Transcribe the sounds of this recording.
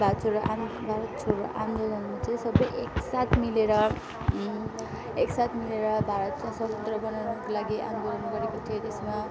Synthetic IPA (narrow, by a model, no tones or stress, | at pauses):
bʱat̪t͡sʰoɾoʔabʱaɾʌt̪t͡sʰoɾoʔa̰md̪olʌnmot͡sʌ̃sʌbʌjʔeksat̪ʰmileɾʌ | eksat̪ʰmileɾʌbʱaɾʌt̪sʌsʌt̪ʌt̪rʌbʌnawnʌkolaɡiʔa̰nd̪oɾʌnɡʌɾekot͡sʰʌt̪esma